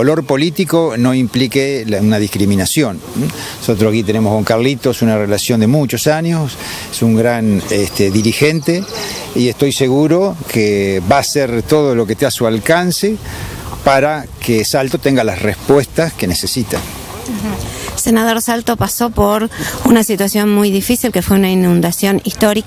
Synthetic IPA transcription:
olo̞ɾpo̞lit̪iko̞no̞implikeunað̞ihkɾimĩnasjo̞n | osot̪ɾoakit̪e̞ne̞mohɣoŋkaɾlit̪osunarelasjo̞nd̪e̞mut͡ʃo̞saɲjos | esuŋɡɾanest̪eðiɾixent̪e | iest̪o̞jseɣuɾo̞kʰeβaːseɾt̪oðolo̞ket̪easualkansepaɾakesalt̪o̞t̪eŋɡalasrespwest̪askenesesit̪a | senað̞o̞ɾsalt̪opasopoɾunasit̪wasjo̞nmujðifisilkefweunainũnd̪asjo̞nist̪oɾi

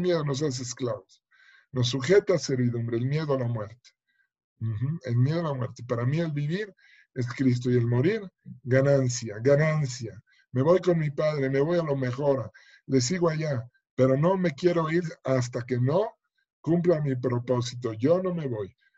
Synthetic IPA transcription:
mjeðono̞s̬as̬eesklaβos | no̞s̬ːuxe̞t̪ase̞ɾβiðumbɾe̞ːlmje̞ðoalamwe̞ɾt̪e̥ | x̩elmjeð̞oalamweɾt̪epaɾamie̞lβiβiɾ | e̞skɾis̬t̪o̞je̞lmo̞ɾiɾɣanãnsjaɣanansja | me̞βo̞jko̞nmipaðɾe̞me̞βo̞jalo̞me̞xo̞ɾa | le̞s̬iɣoaʝa | pe̞ɾo̞no̞me̞kje̞ɾo̞iɾas̬t̪ake̞no̞ | kumplamipɾo̞po̞s̬it̪̬o̞ʝono̞me̞βo̞j

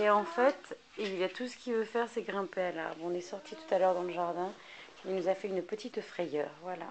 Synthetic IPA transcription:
eɑ̃fɛt̪ | iljat̪usə̥kʲivøfɛʁsɛɡʁɛ̃peala̰ʁvɔ̃nɛsɔʁt̪ʰit̪u̥t̪alœʁd̪ɑ̃ləʒaʁd̪ɛ̃ | ilnuzafɛynpət̪ʰit̪fχɛjœːʁvwala̰

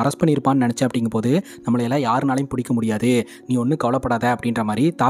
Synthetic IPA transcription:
ɐɾɐspɐɳnːɪɪɾɯpːaːnnɐnɛt͡ʃːɐɐpːɐɽɪŋɡɐpoːðɯnɐmːɐɭɐjɛlːãːjaːɾɯnaːlɐjʊmpʊɽɪkːɐmʊɽɪjaːðɯ | niːɔnːɯkɐʋɐlɐpːɐɽaːðɐɐpːɐɽɪnrɐmaːd̪ɾit̪aː

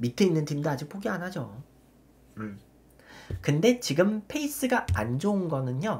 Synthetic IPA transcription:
mitʰeinːɯntʰimdɯad͡ʑik̚pʰoɡeanɦad͡ʑo | ɯ | kɯnde̞t͡ɕiɡɯmpʰe̞is͈ɯɡaa̰nd͡ʑounɡʌnɯɲjo

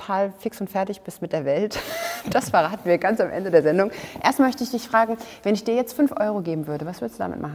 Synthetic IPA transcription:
tʰaːlfɪksʊntfɛɐtɪçb̥ɪstmɪt̚d̥eːɐvɛltd̥asfɛɐʁaːtn̩viːɐɡansamʔɛ̰ndədeːɐzɛndʊŋʔḛːɐstmmœçtəɪçd̥ɪçfʁ̥aːɡŋ̩vɛnɪçd̥iːɐjɛt͡stfʏnfʔɔ̰ʏʁoɡeːbm̩vʏɐɾəvasv̥ɪɐstd̥uːda̰mɪ̰tmaχ̩

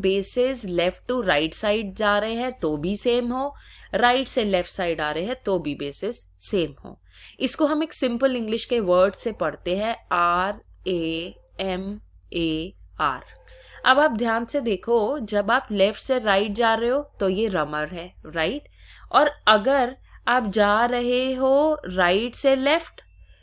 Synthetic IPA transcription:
beːsɪzlɛfʈːuɾaːɪʈsaːɪɖ̚d͡ʒaːɾəɦeɦɛ̃t̪obʱiseːmɦoːɾaːɪʈselɛfʈsaːɪɖaːɾəɦeɦɛ̃t̪oːbʱibeːsɪzː | eːmɦo̰ː | ɪskoɦɐmeːksɪ̃mpəlɪ̃ŋɡlɪʃkeʋəːɾɖsepɐɽt̪eɦɛ̃aːɾeː | ɛm | eːa̰ːɾɐbaːp̚d̪ʱjaːnsed̪eːkʰod͡ʒɐbaːplɛfʈseɾaːɪʈ̚d͡ʒaːɾɐɦeɦoːt̪ojeɾɐməɾɦɛɾaːɪʈɔːɾɐɡəɾaːp̚d͡ʒaːɾɐɦeɦoɾaːɪʈselɛfʈ

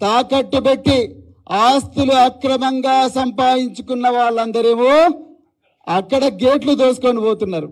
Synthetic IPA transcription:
t̪aːkɐʈːubeʈːi | aːst̪uluɐkɾɐmɐŋɡaːsɐmpaːjiɲt͡ʃukunːɐʋaːɭːɐnd̪ɐɾeːmoː | ɐkːɐɽɐɡeːʈlud̪oːsu̥konipoːt̪unːaːɾu

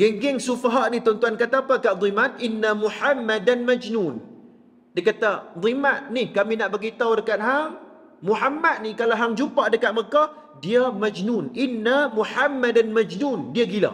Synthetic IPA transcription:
ɡeŋɡɛŋsufaɦaʔnit̪ɔnt̪uankat̪aːpakaʔd̪ˤimat̪̚ʔinːamuħamːadanmad͡ʒnun | dakat̪ad̪ˤimat̪̚nihkaminaʔbəɡit̪awdəkat̪̚ɦaŋ | muħamːat̪̚nikalaɦaŋd͡ʒupaʔdəkat̪̚məkah | diamad͡ʒnunʔinːamuħamːadanmad͡ʒnundiaɡila̰

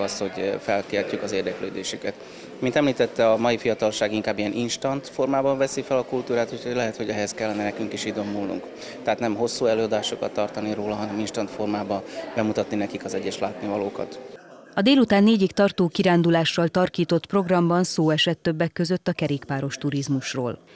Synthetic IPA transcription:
ɒsho̞ɟfɛlkeːrcykɒzeːrd̪ɛkløːd̪eːʃykɛt̪ | mint̪ɛmliːt̪ɛt̪ːɛɒmɒjifijɒt̪ɒlʃaːɡiŋkaːbːijɛnʔinʃt̪ɒnt̪fo̞rmaːbɒɱvɛsifɛlɒkult̪uːɾaːt̪hucʰhoɟlɛɦɛt̪ho̞ɟɛɦɛskɛlːɛnɛnɛkyŋkiʃid̪o̞mːulnṵŋk | t̪ɛɦat̪nɛmɦo̞sːuɛløːɒd̪aːʃokɒ̰t̪ːɒrt̪ɒniɾoːlɒɦɒnɛminʃt̪ɒnt̪fo̞rmaːbɒbɛmut̪ɒt̪ninɛkikɒzɛɟːɛʃlaːt̪nivɒloːkɒ̰t̪ | ɒd̪eːlut̪aːnːeːɟikt̪ɒrt̪oːkiɾaːnd̪ulaːʃːɒlt̪ɒrkiːt̪o̞t̪pro̞ɡrɒmbɒnsoːɛʃɛt̪ːøbːɛkːø̞zø̞t̪ːɒkɛɾeːkpaːɾo̞ʃt̪uɾizmuʃro̰ːl

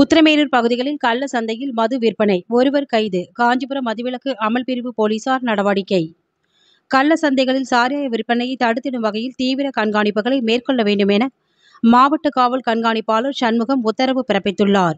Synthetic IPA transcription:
ʊt̪ːɪɾɐmeːlɯɾpɐɣɯðɪɣɐɭɪlkɐlːɐsɐnd̪ɐjɪlmɐðɯʋɪrpɐnɐɪɔɾɯʋɐɾkɐɪðɯkaːɲd͡ʒɯpɯɾɐmɐðɯʋɪɭɐkːɯʔɐmɐlpɪɾɪʋɯpoːliːsaːɾnɐɽɐʋaːɽɪkːɐɪ | kɐlːɐsɐnd̪ɐɪɣɐɭɪlsaːɾjaːjɐʋɪɾpːɐnɐjɐɪt̪ɐɽɯt̪ːɪɽɯmʋɐɣɐjɪlt̪iːʋɪɾɐkɐɳɡaːɳɪpːɯɣɐɭɐɪmeːrkɔɭːɐʋeːɳɖɯmɛnɐ | maːʋɐʈːɯkaːʋɐlkɐɳɡaːɳɪpːaːlɯɾsɐnmɯɣɐmʊt̪ːɐɾɐʋɯpɪɾɐpːɪt̪ːɯɭːaːɾ

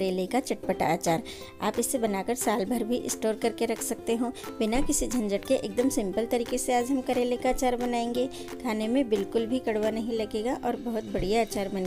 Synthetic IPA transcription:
ɾeːlekat͡ʃɐʈpəʈa̰aːt͡ʃaːɾ | a̰ːpɪsːebɐnaːkɐɾsaːlbʱɐɾbʱiʔɪ̰sʈoːɾkɐɾkeɾɐkʰsɐk̚t̪eɦõːbɪnakɪsid͡ʒʱɐ̃nd͡ʒəʈkeʔḛːk̚d̪əmsɪ̃mpəlt̪ɐɾiːkeseaːd͡ʒʱɦɐmkɐɾeːlekaaːt͡ʃaːɾbɐnaːẽːŋɡeː | kʰaːnemẽbɪlkʊlbʱikɐɽwʋanɐɦĩlɐɡeːɡaʔɔːɾbɐɦʊt̪̚bɐɽijaːt͡ʃaːɾbɐne

